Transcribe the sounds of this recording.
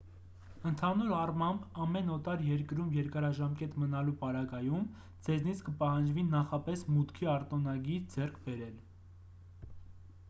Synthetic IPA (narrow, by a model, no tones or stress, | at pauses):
ənt̪ʰɑnuɾɑrmɑmbɑmɛnɔt̪ɑɾjɛɾkəɾumjɛɾkɑɾɑʒɑmkɛt̪mənɑlupɑɾɑɡɑjum | d͡zɛznit͡sʰkəpɑhɑnd͡ʒvinɑχɑpɛsmut̪kʰiɑɾt̪ɔnɑɡiɾd͡zɛrkʰbɛɾɛl